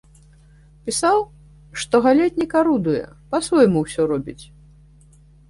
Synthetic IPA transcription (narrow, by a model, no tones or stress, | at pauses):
pʲisaw | ʂt̪ɔɣalʲat͡sʲnʲɛkaɾud̪ujɛ̰pasvɔjmuwsʲɔɾɔbʲit͡sʲ